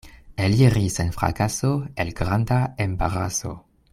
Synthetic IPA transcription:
eliɾisenfɾa̰kasoelɡɾandaembaʁaso̰

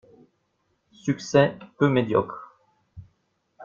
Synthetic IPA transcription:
syksɛpømed̪jɔ̰kχ

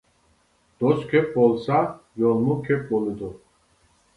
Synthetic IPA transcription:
d̪̥ɔskʰɛpʼbɔlsajɔlmukʰɛp̚ʼbɔlid̪u

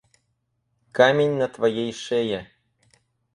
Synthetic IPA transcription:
kamʲenʲnɐt̪vɐjejʂeje

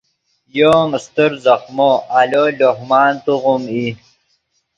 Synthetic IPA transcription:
joːŋst̪əɾzɐxmoaloloɦmaːnt̪uʁumi

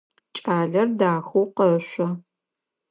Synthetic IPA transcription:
t͡ʃʼaːɮɐrdaːxowqɐɕʷɐ

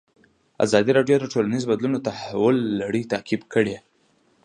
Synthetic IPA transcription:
a̰zɑd̪iɾɑɖjod̪əʈolanizobad̪lunot̪ahawʊlːaɽit̪akibkəɽe

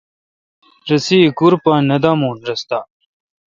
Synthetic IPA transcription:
ɾɐsikuɾpaːnɐd̪aːmoːnɾɐst̪aː

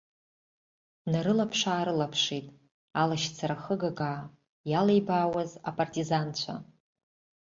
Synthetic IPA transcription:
naɾɨlapʰʂaːɾɨlapʰʂitʼ | alaʃt͡sʰaɾaχəɡaɡaː | jalejbaːwazapʼartʼizant͡ɕʷʰa̰

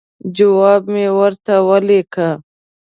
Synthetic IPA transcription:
d͡ʒəwaːbmẽwɐɾt̪awɐleːkʰaː

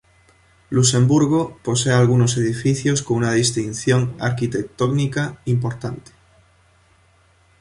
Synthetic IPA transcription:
luse̞mbuɾɣopo̞sealɣ̞uno̞se̞ð̞ifiθjo̞skounað̞ist̪inθjo̞ŋa̰ɾkit̪e̞k̚t̪oɡnikaimpo̞ɾt̪ant̪e̥

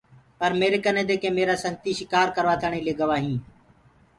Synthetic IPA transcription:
pəɾmeːɾekənẽːd̪eːkẽːmeːɾaːsəŋt̪iːʃɪkaːɾkəɾʋaːt̪ʰəɳ̃ẽːleːɡəʋaːɦĩː

